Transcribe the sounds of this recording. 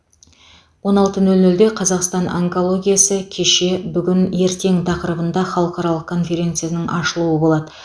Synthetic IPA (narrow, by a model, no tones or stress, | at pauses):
wo̞nɑlˠt̪ənɵlnɵld̪e̞qʰɑzɑqst̪ɑno̰ŋko̞lˠo̞ɡʲijasəkʲʰe̞ʃe̞bʏɡʲɪne̞ɾt̪e̞ŋt̪ʰɑqəɾəbənd̪ɑχɑlˠəqɑɾɑlˠəq̚kʰo̞nfe̞ɾʲe̞nt̪sɨjanəŋʔɑʃəlˠuəbo̞lˠɑd̪ə